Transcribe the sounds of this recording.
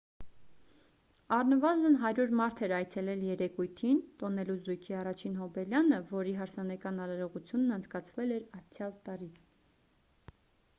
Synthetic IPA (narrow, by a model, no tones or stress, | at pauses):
ɑrnəvɑzənɦɑɾjuɾmɑɾt̪ʰɛɾɑjt͡sʰɛlɛljɛɾɛkujt̪ʰint̪ɔnɛluzujkʰiɑrɑt͡ʃʰinɦɔbɛljɑnəvɔɾiɦɑɾsɑnɛkɑnɑɾɑɾɔʁut͡sʰjunːɑnt͡sʰkɑt͡sʰvɛlɛɾɑt͡sʰjɑlt̪ɑɾi